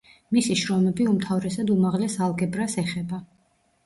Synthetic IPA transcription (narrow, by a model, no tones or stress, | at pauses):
misiʃɾɔmɛbiumt̪ʰavɾɛsad̪umaʁlɛsalˠɡɛbɾasɛχɛba